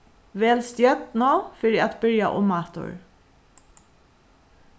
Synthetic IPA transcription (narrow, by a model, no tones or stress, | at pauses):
ʋeːlst̪jœt̪noːfɪɾiat̪bʏɹja̰ʔʊmɑːt̪ʊ̰ɹ